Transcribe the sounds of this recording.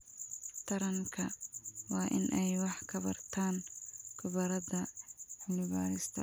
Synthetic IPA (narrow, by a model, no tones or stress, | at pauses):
t̪ʰɐɾɐŋkʰɐwɑːʔɪnʔɛjwɑħkʰɐβɐrt̪ʰaːnkʰʊβɐɾɐðɐħʊnɪβa̰ːɾɪst̪ʰɐ̰